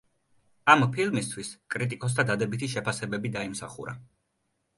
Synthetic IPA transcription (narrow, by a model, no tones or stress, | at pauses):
ampʰilˠmist̪ʰwiskʼɾit̪ʼikʼɔs̬t̪ʰad̪ad̪ɛbit̪ʰiʃɛpʰasɛbɛbid̪aimsaχṵɾa̰